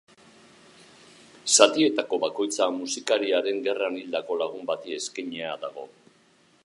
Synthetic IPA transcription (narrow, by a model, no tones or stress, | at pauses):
sat̪ie̞t̪ako̞βako̞jt͡samusikaɾiaɾe̞ŋɡe̞ranild̪ako̞laɣ̞umbat̪ie̞skaɲeaðaɣ̞o̞̰